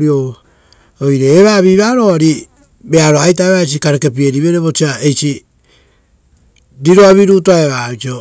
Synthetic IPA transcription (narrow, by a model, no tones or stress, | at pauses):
ɾio | ojɾeːβaβiβaɾoaɾi | beaɾoajt̬aeβat͡ʃikaɾekep̬ie̞ɾiβe̞ɾeβo̞t͡ʃiaejt͡ʃi | ɾiɾoaβiɾuːtoaeβaβit͡ʃio